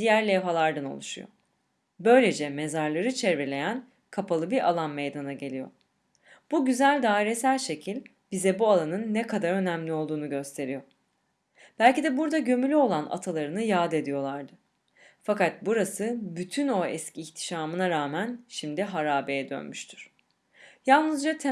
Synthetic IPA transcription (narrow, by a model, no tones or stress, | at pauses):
d̪̥ijæɾlʲɛvɦalˠaɾd̪ano̰lˠuʃṵjo̰ | bø̞jlʲe̞d͡ʒɛme̞zaɾlˠaɾɯt͡ʃʰɛɾvelʲe̞jæn | kʰapʰalˠɯbiɾʔa̰lˠanmejd̪anaɟe̞lʲijo̞̰ | b̥uɟyzælʲd̪aːiɾe̞sælʲʃe̞cʰilʲ | bizɛbualˠanɯnːɛkʰad̪aɾø̞næmlʲio̞lˠd̪uːnuɟø̞st̪ʰe̞ɾijo̞ | b̥ælʲcid̪ɛbuɾd̪aɟø̞mylʲyo̞lˠana̰t̪ʰalˠaɾɯnɯjaːd̪e̞d̪ijo̞lˠaɾd̪ɯ | fakat̪̚buɾasɯbyt̪ʰyno̞ɛsciːçt̪ʰi̥ʃaːmɯnaɾaːmænʃimd̪iɦaɾaːbejɛd̪ø̰nmyʃt̪ʰy̥ɾ̥ | jalˠnɯzd͡ʒat̪ʰe